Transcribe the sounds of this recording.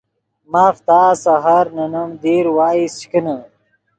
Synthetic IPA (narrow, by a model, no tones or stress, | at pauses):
maːft̪aːsɐɦɐɾnɐnɐmd̪iːɾwaːist͡ɕkinɐ